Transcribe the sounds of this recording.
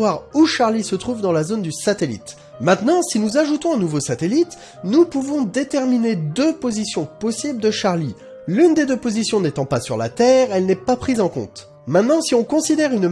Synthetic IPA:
waʁuʃaʁlisət̪χuvd̪ɑ̃lazond̪ysat̪elḭt̪ | mɛ̃t̪nɑ̃sinuzaʒut̪ɔ̃ɛ̃nuvosat̪elit̪ | nupuvɔ̃d̪et̪ɛʁmined̪øpozisjɔ̃pɔsibld̪əʃaʁli | lynd̪ed̪øpozisjɔ̃net̪ɑ̃pasyʁla̰t̪ɛʁɛlnɛpapχizɑ̃kɔ̰̃t̪ | mɛ̃t̪nɑ̃siɔ̃kɔ̃sid̪ɛʁyn

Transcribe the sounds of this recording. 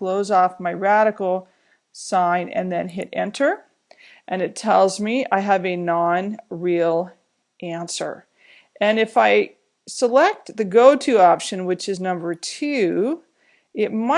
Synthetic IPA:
floʊzɔfmaɪɹæɾɨkl̩ˠ | sãɪ̃nɨ̰̃nðɨ̃nɦɪ̰ɾɛ̰̃ntʰə˞ | ʔɨ̃nɨtʰɛlˠzmia̰ɪɨvɨnɑ̃nɹilˠ | ʔæ̃nsə̰˞ | ʔɨ̃nɨfaɪ | səlɛk̚t̪̚ðɨɡoʊtʰʉɑpʃɨ̃nwɨt͡ʃɨznʌ̃mbə˞tʰʉ | ɪt̚mʌ

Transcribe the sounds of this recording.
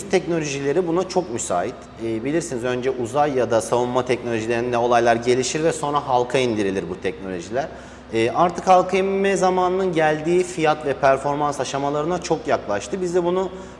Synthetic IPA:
yst̪ʰɛcno̞lʲo̞ʒilʲeɾibunat͡ʃʰo̞k̚mysa̰ːit̪ | ɛːbilʲiɾsinizø̞nd͡ʒɛʔuzajːad̪asavunmːat̪ʰɛcnolʲoʒilʲeɾind̪ɛo̞lˠajlˠaɾɟe̞lʲiʃiɾvɛso̞nɾaɦalˠkʰaind̪iɾilʲiɾbut̪ʰɛc̚no̞lʲo̞ʒilʲæɾ̥ | ɛːʔaɾt̪ʰɯkhalˠkʰaimmɛzamaːnɯnɯnɟælʲd̪iːfijat̪vɛpʰæɾfo̞ɾmansaʃamalˠaɾɯnat͡ʃʰo̞kjaklˠaʃt̪ʰɯbizd̪ɛbunu

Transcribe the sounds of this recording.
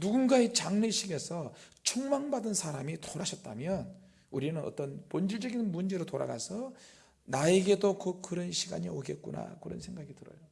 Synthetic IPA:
nuɡunɡaet͡ɕaŋneɕʰiɡe̞sʰʌt͡ɕʰoŋmaŋbadɯnsʰaɾamitoɾaɕʰʌt̚t͈a̰mjʌn | uɾinɯnʌ̰t͈ʌnpond͡ʑiɭd͡ʑʌɡinmund͡ʑe̞ɾotoɾa̰ɡa̰sʰʌ | naeɡe̞dokɯkɯɾʌnɕʰiɡa̰ɲioɡe̞t̚k͈una̰kɯɾʌ̰nsʰe̞ŋɡaɡidɯɾʌ̰jo

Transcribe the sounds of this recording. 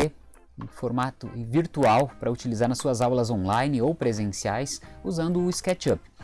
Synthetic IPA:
e | ẽfoɾmat̪ʊɪviɾt̪uawpɾɐut͡ʃilizaɾnɐsuɐzawlɐzõnlajnɪowpɾezẽsiajsuzɐ̃nd̪ʊʊɪskɛt͡ʃɐp

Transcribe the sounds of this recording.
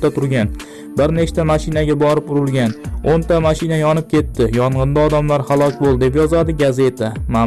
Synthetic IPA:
at̪ʰʊɾɡʲan | bɪɾne̞t͡ʃt̪ʰamaʃɪnaɡʲabɒɾɪpʊɾɪlˠɡʲanont̪ʰamaʃɪnajɒnɪp̚kʲʰe̞t̪ːɪjɒɴʁɨnd̪aɒd̪amlaɾhalˠɒkʲbolˠd̪ep̬jɒzad̪ɪɡaze̞t̪ʰama

